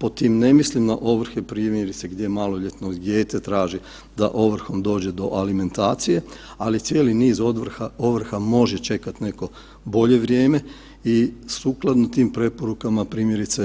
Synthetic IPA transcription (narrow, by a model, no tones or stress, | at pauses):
po̞t̪iːmne̞mislimd̪aʔo̞ʋɾ̩xepɾiːmjeɾit̪seɡd̪jemaːlˠoʎet̪nod̪je̞ːt̪et̪ɾaːʒi | d̪a̰ʔo̞ʋr̩xo̞md̪o̞ːd͡ʑed̪o̞ʔalime̞nt̪aːt̪sije̞ | alit̪sjeːliniːzod̪ʋrxao̞ʋr̩xamo̞ʒet͡ʃe̞kat̪ne̞ko̞ | bo̞ʎe̞ʋɾjeːme̞ | isuːklˠad̪not̪iːmpɾe̞po̞ɾukamapɾiːmje̞ɾit̪se